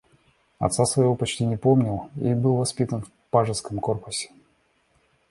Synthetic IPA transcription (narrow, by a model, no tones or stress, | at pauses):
ɐ̰t̪sasvɐjɪvo̞pɐt͡ɕtʲinʲɪpomnʲɪlˠḭbɨlˠvɐspʲit̪ənf | paʐɨskəmko̞rpʊsʲɪ̥